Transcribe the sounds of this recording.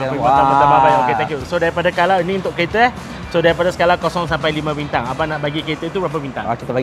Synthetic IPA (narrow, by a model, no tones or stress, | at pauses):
iãbəzababajoket̪ɛ̃kjusodaɾipadasəkalaənĩunt̪ʊʔkəet̪ə | sodaɾipadasə̥kalakɔsɔŋsampajlimãbint̪aŋapanaʔbaɡikəet̪əit̪ubəɾap̬abint̪a̰ŋkit̪a